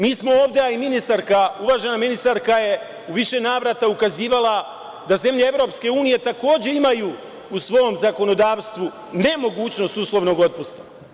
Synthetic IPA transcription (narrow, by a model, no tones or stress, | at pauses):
miːsmooːʋd̪eaiminist̪aɾkauʋaːʒe̞naminist̪aɾkaje̞ | uʋiʃe̞naːʋɾat̪aukaziːʋala | d̪aze̞mʎee̞ʋɾo̞pske̞uːnije̞t̪ako̞ːd͡ʑe̞imajuː | usʋo̞omzako̞no̞d̪aːʋst̪ʋu | ne̞mo̞ɡuːt͡ɕno̞st̪uslˠo̞ʋno̞ɡo̞t̪̚pust̪ḁ